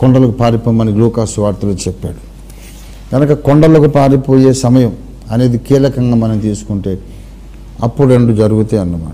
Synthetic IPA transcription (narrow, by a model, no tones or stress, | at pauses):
kɔɳɖɐlɐkupaːɾipoːjmaːniluːkaːsuʋaːɾt̪ulot͡ʃɛpːaːɽu | ɡɐnɐkɐkoɳɖɐlokupaːɾipo̞ːje̞ːsɐmɐjɐm | ɐne̞ːd̪ikiːlɐkɐŋɡaːmɐnɐmt̪iːsu̥kuɳʈe̞ː | ɐ̰pːuɽeɳɖud͡ʒɐɾuɡut̪eːɐnːɐma̰ː